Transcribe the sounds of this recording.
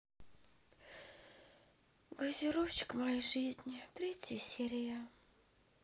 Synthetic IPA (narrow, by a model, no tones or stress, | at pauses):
ɡəzʲiɾoft͡ɕɪ̥kmajʐɨzʲnʲt̪ɾʲetʲjəsʲeɾʲɪjə